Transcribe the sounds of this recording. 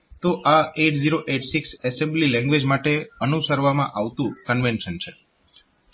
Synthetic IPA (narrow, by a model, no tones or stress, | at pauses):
t̪oʔaeʈziɾoʔeʈsiksɛsẽmblilɛ̃ŋɡʋed͡ʒmaʈeənusəɾʋamã̰ʔaʋt̪ũkənʋenʃənt͡ʃʰe